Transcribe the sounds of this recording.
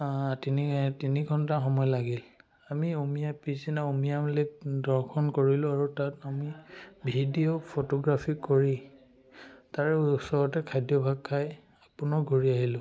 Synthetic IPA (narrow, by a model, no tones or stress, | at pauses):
atinitiniɡʱɔntaɹxɔmɔjlaɡil | amiomijapisinaomijamlek̚dɔɹkʰɔnkoɹilʊ̃aɹutatamibʱidiopʰotɔɡɹapʰikoɹi | taɹɛusɔɹɔtɛkʰajdjɔbʱaɡkʰːaj | apʊnɔɡʱoɹiaɦilʊ̃